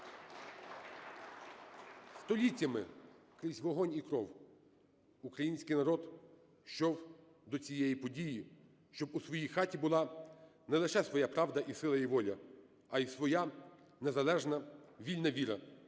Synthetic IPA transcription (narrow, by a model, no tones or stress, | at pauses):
st̪ɔlʲitʲːɐmɪkɾɪzʲʋɔɦɔnʲikɾɔw | ukɾɐjinʲsʲkɪjnɐɾɔd̪ | ʃt͡ʃɔw | d̪ɔt͡sʲijɛjipɔdʲiji | ʃt͡ʃɔbusʋɔjixɑtʲibʊlˠɑ | nɛlˠɪʃɛsʋɔjɑpɾɑʋd̪ɐʔisɪlˠɐiʋɔlʲɐ | ɐisʋɔjɑ | nezɐlˠɛʒnɐʋʲilʲnɐʋʲiɾɐ